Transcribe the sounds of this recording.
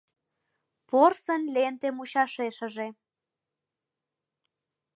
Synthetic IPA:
porsənlent̪emuɕɑʃeʃə̆ʒe

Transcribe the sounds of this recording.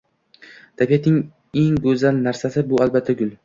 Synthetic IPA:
d̪̥ʰapijat̪nɪŋ | e̞ŋɡɵzalnaɾsasɪbʊalbat̪ʰːaɡʊl

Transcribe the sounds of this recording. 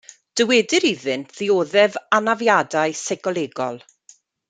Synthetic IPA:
d̥əwɛdɨɾiðɨntʰð̥ioːðɛvanavjadaɨsɛɡɔlˠeːɡɔlˠ

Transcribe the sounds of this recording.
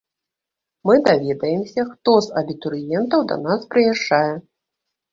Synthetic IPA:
mɨd̪avʲɛd̪ɐjɛmsʲɐxt̪ɔzɐbʲit̪uɾɨjɛnt̪ɐwd̪ɐ̰naspɾɨjaʂt͡ʂajɛ

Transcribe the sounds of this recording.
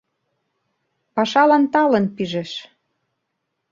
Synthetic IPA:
pɑʃɑlɑnt̪ɑlə̆npiʒeʃ

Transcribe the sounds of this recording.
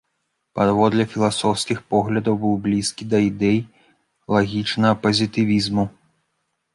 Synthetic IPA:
pad̪vɔd̪lʲɛfʲilˠasɔwskʲixpɔɣlʲɐd̪ɐwbɨwblʲiskʲid̪ɐid̪ɛj | lˠaɣʲit͡ʂnɐɣɐpɐzʲit̪ɨvʲizmu

